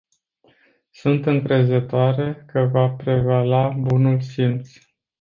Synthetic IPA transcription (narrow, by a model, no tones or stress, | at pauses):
sunt̪ɨŋkɾe̞zət̪oaɾe̞kəvapɾe̞valabunulsint̪s